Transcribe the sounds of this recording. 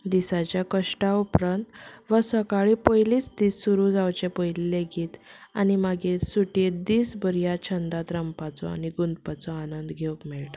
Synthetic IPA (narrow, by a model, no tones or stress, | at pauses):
d̪isat͡ɕjakəʂʈaupɾənt̪ʋəsəkaɭipəjliːt͡sd̪iːsːuɾud͡zawt͡ɕepɔjlilːeɡiːt̪animaɡesuʈied̪iːsbəɾijat͡ɕʰənd̪at̪ɾəmpat͡sɔ̰a̰niɡund̪pat͡sɔanənd̪ɡʱeukmɛɭʈa